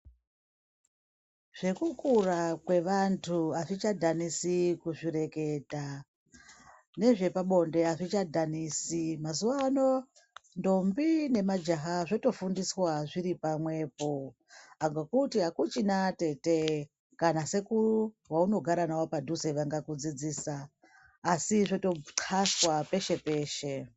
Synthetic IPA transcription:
ʐ̥e̞kukurakwe̞ʋantʰuaʐit͡ʃadʱanisikuʐiɾe̞ke̞ta | ne̞ʐe̞paɓo̞nde̞aʐit͡ʃadʱanisimazuʋano | ndo̞mbine̞mad͡ʒaɦaʐo̞to̞fundiswaʐiɾipamwe̞ːp̚o | aŋɡokutiɦakut͡ʃinate̞te | kanase̞kuru | wauno̞ɡʱaɾanawopadʱuze̞ʋaŋɡakud͡zid͡ziːsaː | siʐoto̞ǀʰaswape̞ʃe̞pe̞ːʃe̞

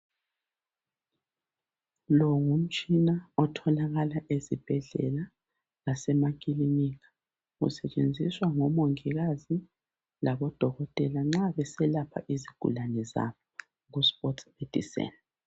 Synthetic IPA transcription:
lɔŋum̩t͡ʃʼinaɔtʰɔlaɣalaʔezib̥ʱɛɮɛ̰la | lasɛmakʼilinikʰḁ | ɣṵsɛt͡ʃʼend͡zʱiswaŋɔmoŋiɣazi | laβɔd̥ʱɔɣɔtʼɛlaŋ͡ǁaβɛsɛlapʰa̰ʔiziɡ̥ʱṵlanɛza̰βɔ | ɣuspʼɔtʰsed̥ʱḭsɛ̰nd

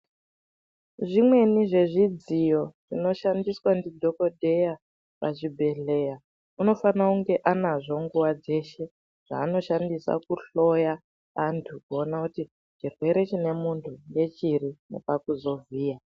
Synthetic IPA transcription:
ʐimwe̞niʐe̞ʐid͡zijo̞ʐino̞ʃandiswandidʱo̞ko̞dʱe̞ja | pa̰t͡ʃibʱe̞ɬe̞ja | uno̞fanakuŋɡe̞ʔanaʐo̞ŋɡuwad͡ze̞ʃe̞ | ʐ̥a̰ːno̞ʃandisa̰kuɬo̞ja | antʰukuonakuti | t͡ʃirwe̞ɾe̞t͡ʃine̞muntʰuŋɡe̞t͡ʃirine̞̰pakuzo̞viːja

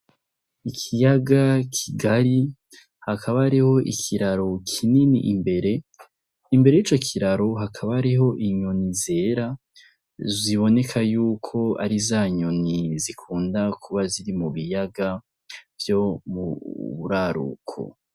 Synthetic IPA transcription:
ikʰijaɡakʰiɡaɾi | hakʰaβaːɾiho̞ʔḭkʰiɾaɾo̞kʰininḭʔimbe̞ɾe̞ | imbe̞ɾe̞jit͡ʃo̞kʰiɾaɾo̞ɦakʰaβaːɾiɦo̞ʔiɲo̞nize̞ːɾa | ziβo̞ne̞kʰajuːkʰo̞a̰ɾizaːɲo̞nizikʰuːndakʰuβaziɾimuβijaɡa | vjo̞muβuɾaɾṵkʰo̰

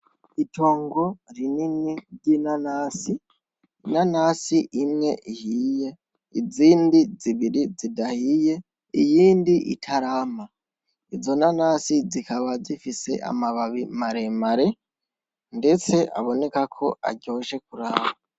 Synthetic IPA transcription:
itʰo̞ːŋɡo̞ɾininiɾɟinanaːsi | inanasiʔimŋe̞ʔihiːje̞ | iziːndiziβiɾizidahiːje̞ | ijiːndiʔḭtʰaɾaːma | izo̞nanaːsizikaβazifise̞̰ʔa̰maβaβimaɾemaɾe̞ | nde̞t͡se̞ʔa̰βo̞ne̞kakʰo̞ʔa̰ɟo̞ːʃe̞kuɾaːβa

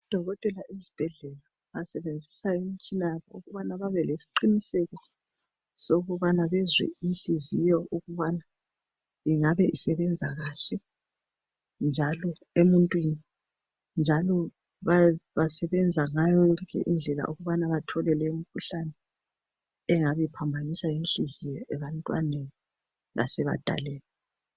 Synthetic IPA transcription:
ud̥ʱɔɣɔtʼɛlaʔezib̥ʱɛɮɛla | βasɛβend͡zʱisaim̩t͡ʃʼinajaβɔuɣuβanaβaβɛlesi̥ǃinisɛɣɔ | soɣuβanaβɛzwɛ̰iɬizijɔʔuɣuβana | iŋaβɛʔisɛβɛnd͡zʱaɣaɬɛ | nd͡ʒʱalɔ | emuntʼwini | nd͡ʒʱalɔ | βaβasɛβɛnd͡zʱaŋajɔɣɛ̰ʔind͡ɮʱɛla̰ʔuɣuβanaβatʰɔlɛlɛum̩kʰuɬanɛ | ɛŋaβɛpʰambʱanisajimiɬizijɔʔɛβantʼwaneni | la̰sɛβa̰d̥ʱa̰lɛːlɛ

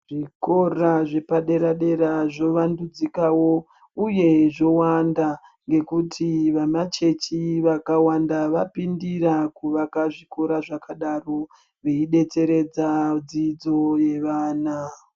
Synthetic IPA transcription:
ʐ̥iko̞raʐe̞paɗe̞ɾaɗe̞ɾaʐo̞ʋandud͡zikawo̞ | uje̞ʐo̞wanda | ŋɡe̞kutʰiʋamat͡ʃe̞t͡ʃiʋakawandaʋapindirakuʋakaʐiko̞ɾaʐakaɗaro | ʋeiɗe̞t͡se̞ɾe̞d͡zad͡zid͡zo̞je̞ʋaːna

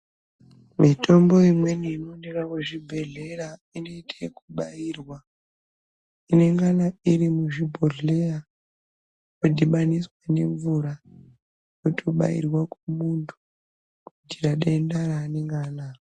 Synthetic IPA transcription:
mitʰo̞mbo̞imwe̞niːno̞nekakeʐibʱe̞ɮe̞raino̞itʰekuɓairwa | ine̞ŋɡanaiɾimuʐibʱoɮeja | jodʱiɓaniswane̞ɱvuɾa | jotʰoɓa̰ḭrwakemuntʰu̥ | kudʱiraɗendaɾaːneŋɡaːna

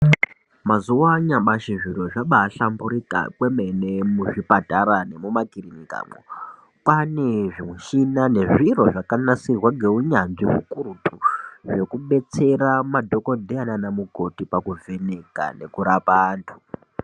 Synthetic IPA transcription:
mazuwaɲaɓaʃiʐiro̞ʐaɓaːɬambuɾika̰kwe̞menemuʐipataɾane̞mumakirinika̰ːmo̰ | kwane̞ʐimweʃinane̞ʐiro̞ʐakanasirwaɡʱe̞uɲanʐimukuɾutʰuʐe̞kuɓe̞t͡se̞ramadʱo̞ko̞dʱeananamuɡʱo̞tipakuve̞ne̞ka̰ne̞̰kuɾapaːntʰu̥

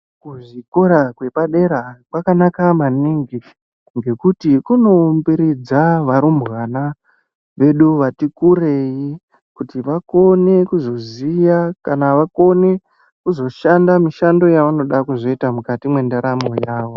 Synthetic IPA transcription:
kuʐiko̞ɾakwe̞paɗe̞ɾakwakanakamaniːŋɡi | ŋɡe̞kutikuno̞mbiɾid͡zaʋaɾumbɣana | ʋe̞ɗuʋatikuɾe̞ji | kutiʋako̞ne̞kuzo̞zijakanaʋako̞ne̞ | kuzo̞ʃandamiʃando̞jaʋano̞ɗakuzo̞itamukatimwe̞ndaɾamojaːʋo

